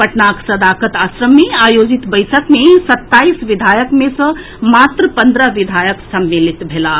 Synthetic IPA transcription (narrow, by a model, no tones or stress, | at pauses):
pəʈnaksəd̪akət̪asɾəmːeajod͡ʒit̪bəjsəkmesət̪ːaisʋid̪ʱajəkmesə̃ | mat̪ɾəpənd̪ɾəʋid̪ʱajəksəmːilit̪bʱela